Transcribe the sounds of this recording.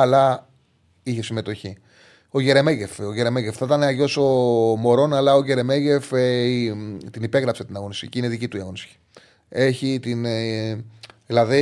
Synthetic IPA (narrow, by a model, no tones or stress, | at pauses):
ɐlɐ | içe̞sime̞t̪o̞çi | o̞ʝe̞ɾe̞me̞ʝe̞foʝe̞ɾe̞meʝefθɐt̪ɐneɐʝo̞so̞mo̞ɾo̞nɐlɐo̞ʝe̞ɾe̞me̞ʝe̞fe | t̪inipe̞ɣɾɐpset̪inɐɣo̞nist̪ḭcineðicit̪uiɐɣo̞nist̪ci̥ | e̞çit̪in | ðilɐði